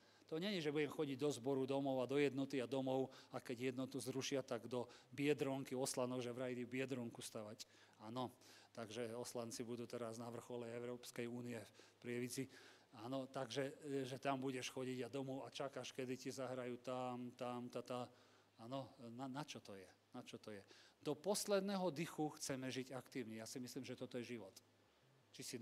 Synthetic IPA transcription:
t̪ɔɲɛɲɛʒɛbuɟɛmxɔɟiɟd̪ɔzbɔɾud̪ɔmɔʊad̪ɔjɛd̪nɔt̪iad̪ɔmɔʊakɛɟjɛd̪nɔt̪uzɾuʃɪat̪aɡd̪ɔbɪɛd̪ɾɔŋkiɔslanɔɡʒɛʋɾajd̪ibɪɛd̪ɾɔŋkust̪aʋac | aːnɔt̪aɡʒɛɔslant͡sibud̪uːt̪ɛɾaznaʋr̩xɔlɛɛʊɾɔːpskɛjuːniɛfpɾɪɛʋit͡si | aːnɔt̪aɡʒɛʒɛt̪ambuɟɛʃxɔɟiɟad̪ɔmɔat͡ʃakaʃkɛd̪icizaɦɾajuːt̪amt̪amt̪at̪a | aːnɔnanat͡ʃɔt̪ɔjɛnat͡ʃɔt̪ɔjɛd̪̥ɔpɔslɛd̪nɛɦɔd̪ixuxt͡sɛmɛʒiɟakt̪iːʊɲɛjasimisliːmʒɛt̪ɔt̪ɔjɛʒiʋɔt̪ | t͡ʃisi

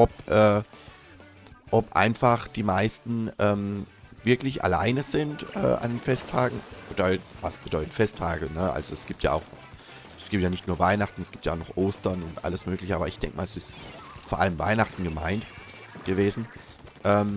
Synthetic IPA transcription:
ʔɔpʔɛː | ʔɔpʔa̰ɪnfaχd̥iːmaɪstn̩ʔɛːmvɪɐklɪçʔa̰la̰ɪnəzɪntʔɛ̰ːʔa̰ndenfɛstʰːaːɡŋ̩ʔoːdɐvasb̥ədɔʏtə̥tfɛstʰaːɡlənəʔa̰lzoɛsɡ̥iːp̚tja̰ːa̰ʊxnɔχ | ʔsɡ̥iːp̚tjaːnɪçtnuːɐvaɪnaχtn̩ɛsɡ̥iːptja̰ʊxnɔχʔoːstɐnʊntʔa̰ləsmøːklɪçəaːbɐɪçd̥ɛ̰ŋkəmaːlɛsɪst | foːɐʔa̰ləmva̰ɪnaχtn̩ɡəma̰ɪnt | ɡ̥əveːzn̩ | ʔɛːm

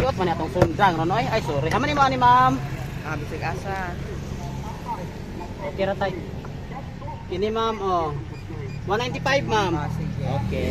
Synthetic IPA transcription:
ɔt̪̚maniat̪ɔŋsundaŋnanɔiaisuɾeʔamanimanimamabisɛkasa | keɾat̪ai | kinimamɔ | manaint̪ipaip̚mamoke

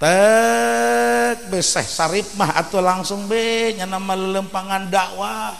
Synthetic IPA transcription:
t̪ə | k̚bəsɛ̰hsaɾɪp̚maɦa̰t̪ulaŋsʊŋbehɲanamalələmpaŋandaʔwa

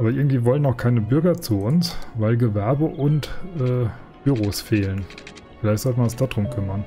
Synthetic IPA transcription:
ʔaːbɐʔɪɐɡŋ̩tv̥iːvɔlənaʊxkʰaɪnəbʏɐɡɐt͡suʊnsvaɪlɡəvɛɐbəʔʊntʔɛː | b̥yʁoːsfeːlən | fɪlaɪçtz̥ɔltmannsd̥aːdʁʊmkʰʏmɐn

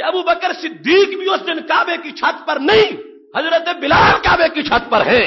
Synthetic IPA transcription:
eɐbubəkəɾsɪd̪ʱːiːkbʱiosnenkaːbẽkit͡ʃʰaːt̪pɐɾnɐɦĩ | ɦɐzɾət̪ẽbɪlaːlkaːbẽkit͡ʃʰaːt̪pɐɾɦɛ̃ː

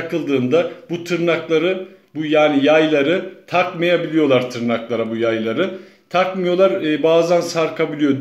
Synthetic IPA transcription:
kɯlˠd̪ɯːnd̪abut̪ʰɯɾnaklˠaɾɯbujaːnijajlˠaɾɯt̪ʰakmajabilʲijo̞lˠaɾt̪ʰɯɾnaklˠaɾabujajlˠaɾɯ | t̪ʰakmɯjo̞lˠaɾbaːzansaɾkʰabilʲijo̞

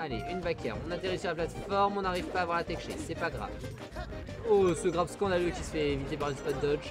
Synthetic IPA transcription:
aleʔynbakʲɛ̰ʁɔ̃nat̪eʁisyʁlaplat̪fɔʁmɔ̃naʁivpaːvwaʁlat̪ɛkʃḛsɛpaɡʁa̰v | osəɡʁavskɑ̃d̪aløkʲisəfɛːvit̪epaʁynspɔt̪̚d̪ɔt͡ʃ

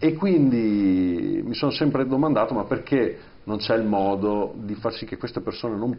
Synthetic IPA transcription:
ekːwind̪i | misonosɛmpɾed̪omand̪aːt̪omapːerkʰe | nont͡ʃɛilmɔːd̪od̪ifarsik̟ːekːwest̪epersoːnenom

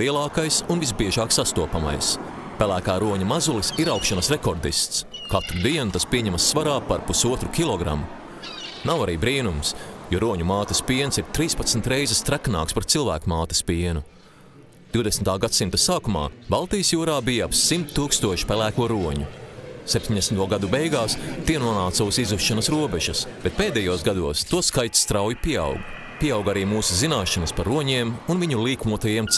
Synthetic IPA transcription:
liɛlˠɑːkajsunvizbiɛʒaːksast̪uɔpama̰js | pʲælæːkaːɾuɔɲumazulisiɾawkʃanɐsɾekɔɾd̪ist̪s | kat̪ɾud̪iɛnut̪aspiɛɲɛmɐsːvaɾaːpaɾpusuɔt̪ɾukʲilˠɔɡɾa̰mu | nawaɾiːbɾiːnumsjuɾuɔɲumaːt̪ispiɛnsiɾt̪ɾiːspat̪smnt̪ɾejzɛst̪ɾækna̰ːkspaɾt̪silˠvæ̰ːkumaːt̪i̥spiɛnu | d̪̥iwd̪ɛsmt̪aːɡat̪simt̪asaːkuma̰ːbalˠt̪ijəsjuːɾaːbijaapsimt̪t̪ːuːkst̪uɔʃi̥pælæːkuɔɾuɔɲusɛp̚ʲt̪iɲʲd̪esnt̪uɔɡad̪ubɛjɡaːst̪iɛnuɔnaːt̪sawsizuʃːanɐsɾuɔbɛʒɐsb̥et̪̚peːd̪ɛjuɔsɡad̪uɔst̪uɔskajt̪sst̪ɾawjipʲiɛa̰wɡ | pʲiɛawɡaɾiːmuːsuzinaːʃɐnɐspaɾuɔɲiɛmunviɲulˠiːkmuɔt̪ajiɛm

